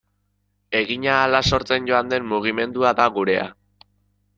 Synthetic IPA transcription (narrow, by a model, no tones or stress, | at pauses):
e̞ɣiɲaːlaso̞ɾt͡se̞nɟo̞and̪e̞mmuɣ̞ime̞nd̪uaðaɣuɾe̞a̰